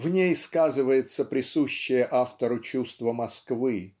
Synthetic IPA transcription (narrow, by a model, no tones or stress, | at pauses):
vnʲejskazɨvəjɪt̪səpɾʲɪsuɕːɪjəʔaft̪əɾʊt͡ɕust̪vəmɐskvɨ